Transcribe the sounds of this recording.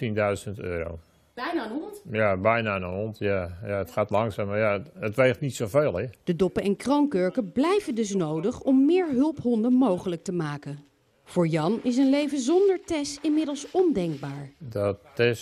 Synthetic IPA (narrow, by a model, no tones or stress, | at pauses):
tindœɥzəntø̰ːɾo̰ | bɛjnanontjabɛjnanənɔntjajaətχaːtlɑŋsaːmajaətʋejχtnitsoveːlˠəd̥ədɔpəɛnkrowŋkøɹkəblɛjvəndɵs̬nowdəχɔmːɪːɹɦɵlˠpɦɔndənmowχələk̚təmaːkə | v̥ʊːɹjɑnɪs̬ənlejvəzɔndəɹtɛsɪnmɪdəlˠsɔndɛŋɡ̚baːɹdɔtɪs